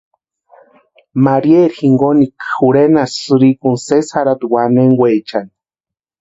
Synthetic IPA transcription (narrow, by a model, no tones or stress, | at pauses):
maɾieɾxiŋɡonikxuɾenassɨɾikunsesaɾad̪waneŋwet͡ʃani̥